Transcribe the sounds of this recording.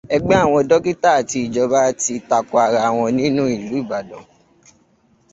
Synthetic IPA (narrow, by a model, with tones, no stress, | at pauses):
ɛ˧ɡ͡bɛ˦a˦˨w̃ɔ̃˧dɔ˦ki˦ta˦a˨ti˧i˨d͡ʒɔ˧ba˦ti˧ta˨kɔ˨˦a˨ɾa˧˨w̃ɔ̃˧nĩ˦nũ˦i˦˨lu˨˦i˦˨ba˨dɔ̃˨